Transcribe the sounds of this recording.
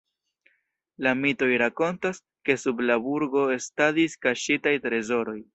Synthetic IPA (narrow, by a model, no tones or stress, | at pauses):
lamito̞jɾako̞ntas | ke̞sublabuɾɡo̞e̞stadiskaʃitajtɾe̞zo̞ɾo̞j